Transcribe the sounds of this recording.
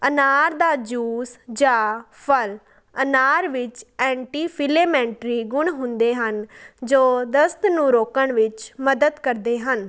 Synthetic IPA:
ənaːɾd̪aːd͡ʒuːsd͡ʒaː | pʰəl | ənaːɾʋɪt͡ʃɛ̃ːɳʈiːpʰɪleːmɛ̃ːɳʈɾiːɡʊɳɦʊnd̪eːɦənd͡ʒoːd̪əst̪nũːɾoːkəɳʋɪt͡ʃməd̪əd̪kəɾd̪eːɦən

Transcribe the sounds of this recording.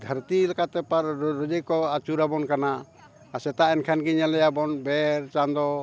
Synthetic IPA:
d̪ʱəɾt̪ilɛkat̪ɛpaɾɾəd͡ʒəkɔat͡ʃuɾabɔnkanaː | sɛt̪aɛnkʰanɡiɲalɛjabɔnbɛɾt͡ʃand̪ɔ

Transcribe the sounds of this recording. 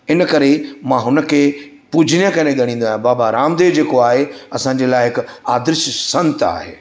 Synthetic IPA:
ɪnəkɐɾemãːɦʊnə̆kʰeː | puːd͡ʑʱɪnjə̃kɐnẽɠɐɽ̃ĩːnd̪oaːjãbaːbaɾaːmd̪eːʋd͡ʑeːkoaːɦeɐsãɲ̆d͡ʑelaːɪɦɪkaːd̪ɪɾɪʃsɐ̃nt̪a̰ːɦḛː

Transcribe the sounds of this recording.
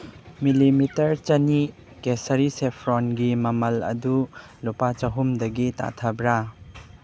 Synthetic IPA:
milimitɐɾt͡ʃɐni | kesɐɾisepʰɾɔnɡimɐmɐlɐ̰du | lɔpat͡ʃɐɦumdɐɡita̰tʰɐbɾa

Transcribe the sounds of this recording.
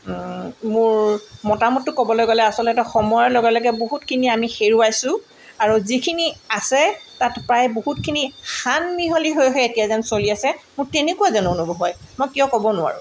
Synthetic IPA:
mʊɹmɔtamɔtːʊkɔbɔlojɡolɛasɔltɛtɔxɔmɔjɔloɡɛlɔɡɛboɦutkʰiniamixeɹuajsʊ̃ | aɹuzikʰiniasɛtatpɹajboɦutkʰinixanmiɦoliɦojɦɔjetijazansoliasɛmʊɹtenekuazanʊonubɔɦɔjmɔjkijɔkɔbɔnʊwa̰ɹʊ̰

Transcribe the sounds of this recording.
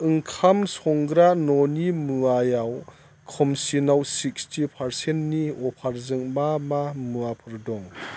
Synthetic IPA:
ɯŋkʰamsɔŋɡɾanɔnimɯajaw | kʰɔmsinawsik̚stipʰaɾsenniɔpʰaɾzɯŋmamamɯapʰɯɾdɔŋ

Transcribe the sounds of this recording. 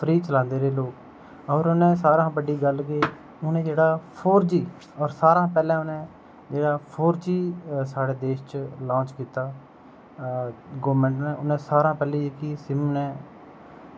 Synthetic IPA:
pʰɾiːt͡ʃəlãːnd̪eːɾeːloːk | ɔːɾʊnẽːsaːɾãːbəɖiːɡəlɡeː | ʊnẽːd͡ʒeːɽaːpʰoːɾd͡ʒiː | ɔːɾsaːɾãːpɛːlɛ̃ːʊnẽː | d͡ʒeːɽaːpʰoːɾd͡ʒiːsaːɽeːd̪eːʃt͡ʃlãːt͡ʃkiːt̪aː | ɡɔːmɛ̃ːɳʈnɛ̃ːʊnẽːsaːɾãːpɛːliːekiːsɪmnɛ̃ː

